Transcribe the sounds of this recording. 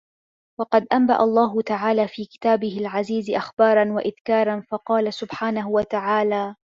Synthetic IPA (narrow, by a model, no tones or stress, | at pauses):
wɑqɑd̪ʔamba̰ʔa̰lˤːɑːɦʊt̪aʕaːlaːfiːkɪ̥t̪aːbɪhɪlʕaziːzɪʔaxbɑːɾˤɑnwaʔɪðkɑːɾˤɑnfɑqɑːlasʊbħaːnaɦʊwat̪aʕaːlaː